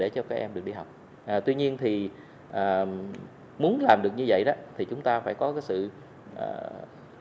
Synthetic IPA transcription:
ɗe˧˩t͡ɕɔ˧kaː˦˥k̚ʔɛ˧mɨ˨˩ək̚ɗi˧ɦa˨˩wk͡p̚ | ʔaː˨˩t̪wi˧ɲi˧ənt̪ʰi˨˩ | ʔaː˨˩ | mu˨˦ənlaː˨˩mɗɨ˨˩ək̚ɲɨ˧və̰˧˨jɗɔ˨˦t̪ʰi˨˩t͡ɕʊ˨˦ŋ͡mt̪aː˧faː˧˩jkɔ˨˦kaː˨˦jsɨ̰˧˨ | ʔː

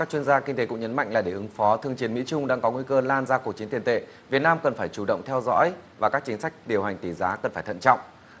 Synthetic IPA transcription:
kaː˦˥k̚t͡ɕwi˧ənzaː˧ki˧ŋ̟t̪e˨˦kʊ̰˧˥ŋ͡mɲə˨˦nma̰˧˨jŋ̟laː˨˩ɗe˧˩ʔɨ˨˦ŋfɔ˨˦t̪ʰɨ˧əŋt͡ɕi˨˦ənmḭ˧˥t͡ɕʊ˧ŋ͡mɗa̰ː˧ŋkɔ˨˦ŋwi˧kəː˧laː˧nzaː˧ku˨˩k̚t͡ɕi˨˦ət̪i˨˩ənt̪ḛ˧˨ | vi˨˩ət̚naː˧mkə˨˩nfaː˧˩jt͡ɕu˧˩ɗə̰˧˨wŋ͡mt̪ʰɛ˧wzɔ̰˧˥jvaː˨˩kaː˦˥k̚t͡ɕï˨˦ŋ̟sa˦˥jk̟̚ɗi˨˩əwɦa˨˩ŋ̟t̪i˧˩zaː˨˦kə˨˩nfaː˧˩jt̪ʰə̰˧˨nt͡ɕɔ̰˧˨wŋ͡m

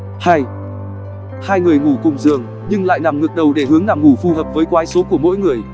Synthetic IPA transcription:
haː˧j | haː˧jŋɨ˨˩əjŋu˧˩kʊ˨˩ŋ͡mzɨ˨˩əŋ | ɲɨ˧ŋla̰ː˧˨jna˨˩mŋɨ˨˩k̚ɗə˨˩wɗe˧˩ɦɨ˨˦əŋlaː˨˩mŋu˧˩fu˧˩həː˨˩p̚vəː˨˦jkwaː˨˦jso˨˦ku˧˩əmo̰˧˥jŋɨ˨˩əj

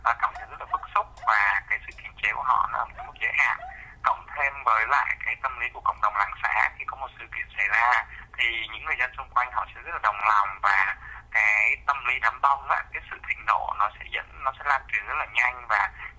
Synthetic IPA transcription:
ʔaː˨˩k̪a˨˦wsɛ̰˧˥zə˦˥t̚laː˨˩ɓə˦˥k̚sʊ˦˥k͡p̚vaː˨˩kaː˨˦jsɨ̰˧˨k̪ʰi˨˧˩ənt͡ɕe˨˦ku˧˩ənɔ̰˧˦nɔ˨˦˨ku˨˩t̚zə˨˦jɦa̰ː˧˨nkə̰˧˨wŋ͡mt̪ʰe˧mvəː˨˦jla̰ː˧˨jkaː˨˦jt̪ə˧mli˨˦ku˧˩əkə̰˧˨wŋ͡m̚ɗə˨˩wŋ͡mlaː˨˦ŋsa̰ː˧˥xʰi˧˨˩kɔ˨˦mo˨˩t̚sɨ̰˧˨kḭ˧˩˨ənsa˧˩jzaː˧t̪ʰi˨˩ɲɨ̰˧˥ŋːɨ˨˩əjzə˧nsʊ˧ŋ͡mkwa˧jŋ̟ɦɔ̰˧˨sɛ̰˧˥zə˦˥t̚laː˨ɗə˨˩wŋ͡mlɔ˨˩wŋ͡mvaː˨˩kaː˨˦jjt̪ə˧mli˨˦ɗaː˨˦mt̪ə˧wŋ͡mʔa̰ː˧˥kaː˨˦jsɨ̰˧˨t̪ʰï˨˩ŋ̟ɗo̰˧˨nɔ˨˦sɛ̰˧˥zə̰˧˥nːɔ˨˦sɛ̰˧˥laː˨˩t͡ɕwi˨˩ənzə˦˥t̚laː˨˩ɲa˧jŋ̟vaː˨˩

